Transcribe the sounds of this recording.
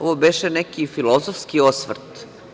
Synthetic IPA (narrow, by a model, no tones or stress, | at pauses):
oʋobeʃenɛkifilˠozofskiosʋr̩t̪